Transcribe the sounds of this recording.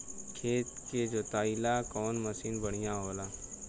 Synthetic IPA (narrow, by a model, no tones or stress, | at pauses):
kʰeːt̪ked͡ʒoːt̪aːilakɔːnməsiːnbəɽ̤ijãɦoːlaː